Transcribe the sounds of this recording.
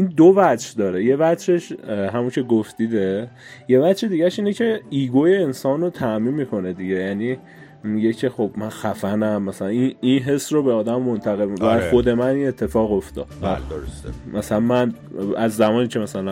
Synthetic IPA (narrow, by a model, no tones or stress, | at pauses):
iːnd̪ovædʃd̪ɒːɾeje̞vætʃe̞ʃɦæmuncʰe̞ɡoft̪iːd̪e | je̞væʃed̪iɟæʃiːnecʰe̞iːɡojeːnsɒːnot̪ʰæʔmiːnmikʰo̞ne̞d̪iɟe̞jæːniː | mije̞cʰe̞xo̞b̥mænxæfænæmːæsælæininɦe̞srobeɒːd̪æmːont̪ʰæɣelvæxo̞d̪e̞mænine̞t̪ʰːe̞fɒːɣoft̪ɒ̰ːd̪væd̪oosmæsælænmæn | æzːæmɒːniːcʰe̞mæsælæ